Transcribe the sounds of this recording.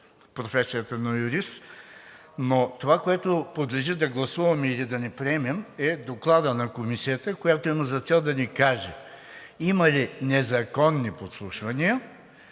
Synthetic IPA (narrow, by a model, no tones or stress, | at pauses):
pɾofɛsijət̪ənɐjuɾis | not̪ovakoɛt̪opod̪lʲɛʒid̪ɐɡlˠɐsuvɐmilid̪ɐnɛpɾiɛmɛmɛd̪oklˠad̪ənɐkomisiət̪əkojat̪oimɐzɐt̪sɛlˠd̪ɐnikaʒɛ | imɐlinɛzɐkɔnːipot̪slˠuʃvɐniə